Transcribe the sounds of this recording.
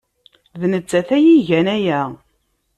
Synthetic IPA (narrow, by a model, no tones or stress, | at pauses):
ðnət͡sːæθæjiʝænæjæ